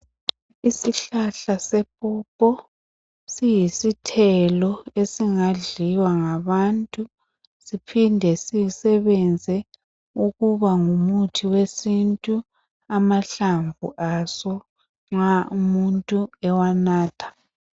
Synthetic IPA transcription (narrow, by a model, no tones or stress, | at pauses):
isiɬaɬasɛpʼɔpʼɔ | sijisitʰɛlɔesiŋaɮiwaŋaβantʼu | sipʰindʱɛsijisɛβɛnd͡zʱɛ | uɣuβaŋumutʰiwesintʼu | amaɬaɱvṵʔasɔ | ŋ͡ǁaumuntʼuɛwanaːtʰḁ